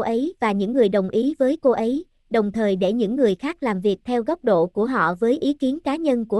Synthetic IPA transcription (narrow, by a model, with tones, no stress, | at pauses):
ʔə˨˦jvaː˨˩ɲɨ̰˧˥ŋːɨ˨˩əjɗə˨˩wŋ͡mʔi˨˦vəː˨˦jko˧ʔə˨˦j | ɗə˨˩wŋ͡mt̪ʰəː˨˩jɗe˧˩ɲɨ̰˧˥ŋːɨ˨˩əjxaː˦˥k̚laː˨˩mvi˨˩ək̚t̪ʰɛ˧wɣwk͡p̚ɗo̰˧˨ku˧˩əɦɔ̰˧˨vəː˨˦jʔi˨˦ki˨˦ənkaː˨˦ɲə˧nku˧˩ə